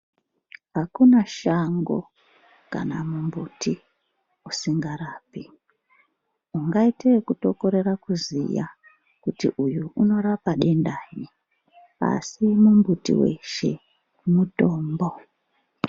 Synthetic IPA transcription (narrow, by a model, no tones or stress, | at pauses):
ɦakunaʃaŋɡo̞̰ | ka̰namumbuti | usiŋɡaɾaːpi | uŋɡaitekuto̞ko̞ɾe̞ɾakuzḭja̰ | kutḭʔujuuno̞ɾapaɗe̞ndaji | a̰simumbutḭwe̞̰ʃe̞̰ | muto̞ːmbo